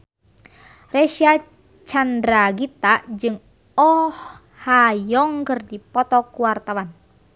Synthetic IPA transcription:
reʃia | t͡ʃandɾaɡit̪aʔd͡ʒɨŋ | ɔh | hajɔŋkɨrdipɔt̪ɔkuwart̪awan

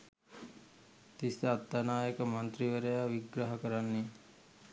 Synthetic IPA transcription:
t̪isɐːt̪ːanaːjəkəmɐnt̪ɾiʋəɾəjaʋiɡɾaɦəkəɾanːe

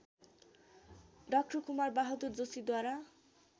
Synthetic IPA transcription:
ɖʌk̚ʈɔkumaɾbaɦɔd̪uɾd͡zosid̪waɾa

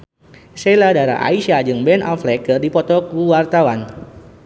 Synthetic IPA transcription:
sɛladaɾa̰ʔa̰iʃad͡ʒɨŋbɛnʔa̰flɛkərdipɔt̪ɔkuwart̪awan

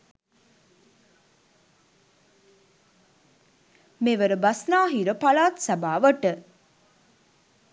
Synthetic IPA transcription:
meʋəɾəbɐsnaːɦiɾəpalaːt̪sabaːʋəʈə

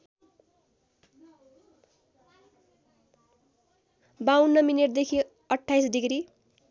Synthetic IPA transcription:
bawnːʌmineʈ̚d̪ekʰi | ʌʈʰːajsɖiɡri

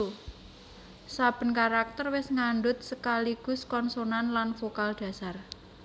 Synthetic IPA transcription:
sab̥ə̤nkaɾak̚t̪ərwɪsŋaɳɖʊt̪̚səkaliɡ̥ʊ̤skɔnsonanlanfokald̥ä̤sar

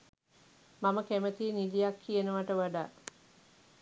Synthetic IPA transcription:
maməkæmət̪inid̪ijakʰːijənəʋaʈəʋaɖa̰ː

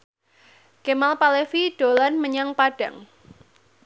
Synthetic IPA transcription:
kemalpalefiɖ̥olanməɲaŋpaɖ̥a̤̰ŋ

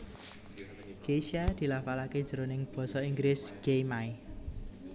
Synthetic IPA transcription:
ɡ̥esiad̪̥i̤lafalaked̥ʒ̥əɾonɪŋb̥ɔ̤sɔiŋɡɾɪsɡ̥ejmaj

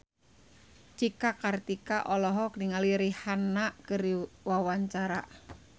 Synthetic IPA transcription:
t͡ʃikakart̪ikaʔɔlɔɦɔkniŋaliɾihanaʔkəɾiwawaɲt͡ʃaɾa

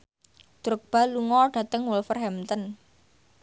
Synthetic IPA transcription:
d̪̥ɾʊk̚b̥a̤luŋɔɖ̥a̤t̪əŋwʊlfərɦɛmt̪ən

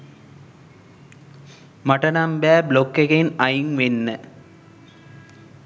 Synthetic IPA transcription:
mɐʈːɐnambaːblokːɐɣɐjnɐjŋʋenːɐ

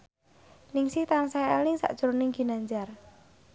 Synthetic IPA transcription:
nɪŋsit̪aŋsajalɪŋsa̰ʔd̥ʒ̥əɾonɪŋɡinaɲd͡ʒar

